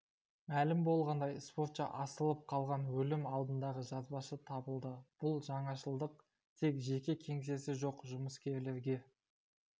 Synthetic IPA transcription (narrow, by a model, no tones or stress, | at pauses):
mælɪmbo̞lˠʁɑnd̪ɑjspo̞ɾt̪ʃɑ̰ʔɑsəlˠəp̚qʰɑlˠʁɑnwɵlɪmɑlˠd̪ənd̪ɑʁəʒɑzbɑʃət̪ʰɑbəlˠd̪əb̥ʊlˠʒɑɴɑʃəlˠd̪əq̚ | t̪ʰe̞kʒe̞kʲekʲʰe̞ŋs̬e̞sɪʒo̞qʒʊməskʲʰe̞ɾle̞ɾɡʲe̞